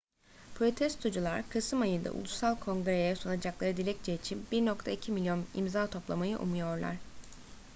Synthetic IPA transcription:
pʰɾo̞t̪ʰɛst̪ʰud͡ʒulˠaɾkʰɯsɯmajɯnd̪a̰ʔṵlˠusalˠkʰo̞ŋɡɾejɛsunad͡ʒaklˠaɾɯd̪ilʲɛc̚t͡ʃʰɛit͡ʃʰinbiɾnok̚t̪ʰaicʰimilʲjo̞nḭmzaːt̪ʰo̞plˠamajɯʔṵmujo̞ɾlˠa̰ɾ̝̥

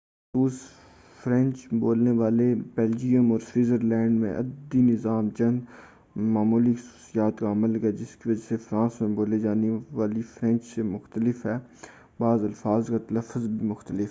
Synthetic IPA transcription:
suːs | fɾɛ̃nt͡ʃboːlneʋaːlebɛːld͡ʒijəmɔːɾswiːzəɾlɛ̃ːɳɖmẽʔɐ̰d̪inɪzaːmt͡ʃɐ̃nd̪ | maːmuːlixɐsu̥ːsijaːt̪kaɐmələɡɦɛːd͡ʒɪskiʋɐd͡ʒasefɾãːsmẽboːled͡ʒaːneʋaːlifʰɾɛ̃nt͡ʃsemʊxt̪əlɪfɦɛː | baːzɐlfaːzkat̪ɐləfːəzbʱimʊxt̪əlɪf

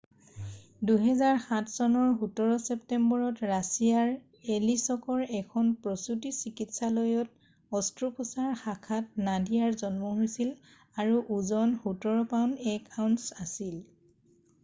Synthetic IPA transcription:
duɦɛzaɹxãtʰsɔnɔɹɦutɔɹɔsɛptɛmbɔɹɔtɹasijaɹ | elisɔkɔɹɛkʰɔnpɹɔsutisikitsalojɔt | ɔstɹupɔsaɹxakʰatnadijaɹzɔnmɔɦojsil | aɹuʔuzɔnhutɔɹɔpawnɛkawnsasil

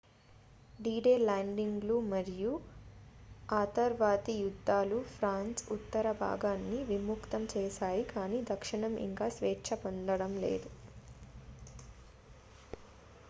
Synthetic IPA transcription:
ɖiːɖeːlaːɳɖiŋɡlumɐɾiju | aːt̪ɐɾʋaːt̪ijud̪ʱːaːlupʰɾaːnsut̪ːɐɾɐbʱa̰ːɡaːnːiʋimukt̪ɐmt͡ʃɛːʃaːjikaːniːd̪ɐkʂiɳɐmḭŋkaːsʋɛːtːʃʰɐpond̪ɐɽɐmlḛːd̪u

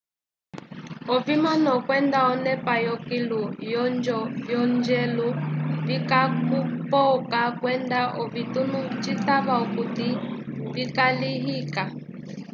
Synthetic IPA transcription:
ɔvimɔnɔkwɛndaɔnɛpajɔkilujɔnd͡ʒɔvjɔnd͡ʒɛluvikakupɔkakwɛndaʔɔvitunut͡ʃitaβaɔkutivikaliɦika

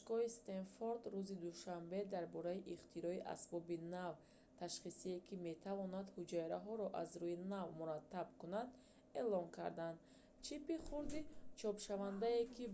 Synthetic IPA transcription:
ʃkɔist̪enfoɾd̪ɾuzid̪uʃambed̪aɾbɔɾaiʔiqt̪ʰiɾɔiʔa̰sbɔbinav | t̪ʰaʃχisiekʰime̞t̪ʰavɔnad̪hud͡ʒaiɾaɦɔɾɔʔazɾuinavmuɾat̪ːabkunad̪ | e̞lɔŋkʰa̰ɾd̪and̪ | t͡ʃʰipiχuɾd̪it͡ʃʰɔpʃavand̪aekʰi

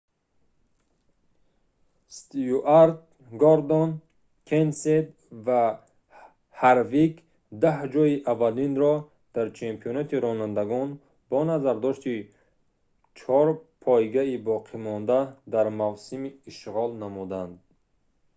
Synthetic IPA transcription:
st̪uʔaɾt̪̚ | ɡɔɾd̪on | kʰensed̪ | va | haɾviɡ | d̪ahd͡ʒɔiʔavalinɾɔ | d̪̥aɾt͡ʃʰempʰiɔnat̪iɾɔnand̪aɡɔn | bɔnazaɾd̪ɔʃt̪i | t͡ʃʰɔɾpʰɔjɡaibɔqʰimɔnd̪ad̪aɾmavsimiːʃʁɔlnamud̪and̪̚

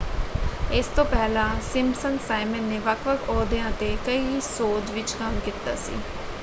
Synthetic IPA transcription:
ɪst̪õːpɛːlãːsɪmsənsaːimənːeːʋəkʰʋəkʰɔːd̪eãːt̪eːkəiːsoːd͡ʒʋɪt͡ʃkəmkiːt̪a̰ːsḭː

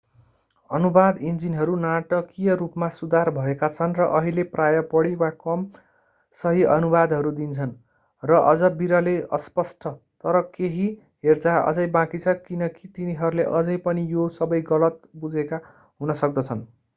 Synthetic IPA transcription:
ʌnubad̪ind͡zinɦʌɾunaʈʌkijʌrupmasud̪arbʱʌekat͡sʰʌnrʌʔʌɦileprajʌpʌɽiwakʌm | sʌɦiʌnubad̪ɦʌɾud̪int͡sʰʌn | rʌʔʌd͡zʌbiɾʌleʌ̰spʌsʈʰʌ | t̪ʌɾʌkeɦi | ɦert͡saʌ̰d͡zʌjbãkit͡sʰʌkinʌkit̪iniɦʌɾuleʔʌd͡zʌjpʌnijosʌbʌjɡʌlʌt̪bud͡zʱeka | ɦunʌsʌk̚d̪ʌt͡sʰʌn

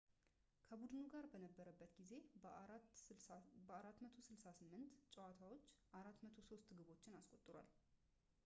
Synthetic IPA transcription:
kʰəbud̪ɨnuɡaɾbənəbːəɾəbːət̪ɡize̞ | bəaɾat̪ːmət̪ʰo̞sɨlsasɨmːɨnt̪t͡ʃʼɛwat̪ʰawo̞t͡ʃːʔaɾat̪ːmət̪ʰo̞so̞st̪ɡɨβo̞t͡ʃːɪnaskʼot̪ʼːɨɾwa̰l

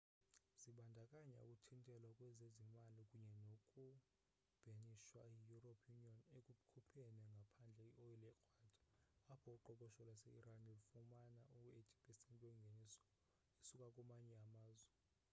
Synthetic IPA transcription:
z̥iɓandʱakʼaɲa̰ṵkʼutʰintʼɛlwakʼwɛzezimalikʼuɲɛnokʼu | b̥ʱeniʃwaijuropʰjuniɔnekʼuɓkʰupʰɛnɛŋɡʱapʰand͡ɮʱɛoɛlɛkʰʼwaːd̥ʱḁapʰɔuǃɔkʼɔʃɔlwasɛiɾanefumanauetʰʼi̥pʼɛsɛntʼweŋɡʱenisɔ̥ | esukʼakʼumaɲɛamaːzwɛ

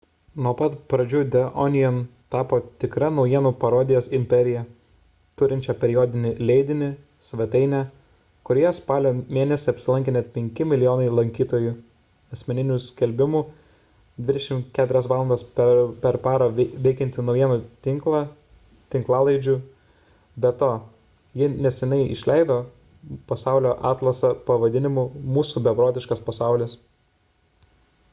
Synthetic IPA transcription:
nuɔpɐt̪pɾɐd͡ʒʲuːd̪ʲɛʔɔnʲɪjɛnt̪ɑːpoːt̪ʲɪkɾɐnɒʊjiɛnuːpɐɾoːd̪ʲɪjoːsɪmʲpʲɛɾʲɪjɛ | t̪ʊɾʲɪnʲt͡ʃʲɛpʲɛɾʲɪjoːd̪ʲɪnʲɪlʲɛɪd̪ʲɪnʲɪ | sʲʋʲɛt̪ɐɪnʲæ | kʊɾʲeːjɛspɑːlʲoːmʲeːnʲɛsʲɪɐpʲsʲɪlˠɐŋʲkʲɛnʲɛt̪̚pʲɛŋʲkʲɪmʲɪlʲɪjoːnɐɪlˠɐŋʲkʲiːt̪oːju | ɐsʲmʲɛnʲɪnʲusʲkʲɛlʲbʲɪmuː | d̪ʲʋʲɪd̪ʲɛʃʲɪmkʲæːt̪ʊɾʲɛsʋɑːlˠɐnd̪ɐːsppʲɛɾpɑːɾɐʋʲɛɪkʲɛnʲt̪ʲɪnɒʊjiɛnɐt̪ʲɪŋklˠɑ | t̪ʲɪŋklˠɑːlˠɐɪd͡ʒʲuː | bʲɛt̪oː | jɪnʲɛsʲɛnʲɛɪɪ̰ʃʲlʲɛɪd̪oː | pɐsɑʊlʲoːʔɑːt̪lˠɐsɐpɐʋɐd̪ʲɪnʲɪmumuːsuːbʲɛbɾoːt̪ʲɪʃkɐspɐsɑˑʊlʲɪs

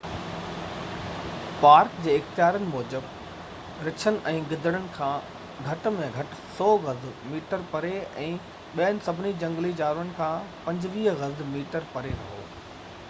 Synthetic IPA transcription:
paːɾkd͡ʑeːɪxt̪ijaːɾənɪ̆mɔːd͡ʑəb | ɾɪt͡ɕʰənɪ̆ʔɛ̃ːɡɪd̪ʱəɽ̃əɽɪ̆kʰãː | ɡʱɐʈmẽɡʱɐʈɪ̆sɔːɣɐzmiːʈəɾpɐɾeɛ̃ː | ɓiənɪ̆sɐbʱɪnid͡ʑɐ̃ŋɡlid͡ʑaːɾənɪ̆kʰãːpɐ̃ɲd͡ʑɪʋiːɦɣɐzmiːʈəɾpɐɾeɾɐɦo̰ː

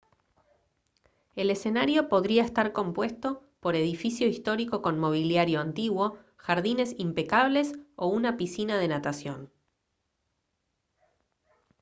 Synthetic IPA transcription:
e̞lese̞naɾjo̞po̞ðɾiaest̪aɾko̞mpwe̞st̪o̞po̞ɾe̞ðifisjo̞ist̪o̞ɾiko̞ko̞nmo̞β̞iljaɾjo̞ant̪iɣwo̞ | xaɾðine̞simpekaβ̞le̞so̞unapisinað̞e̞nat̪asjo̞n

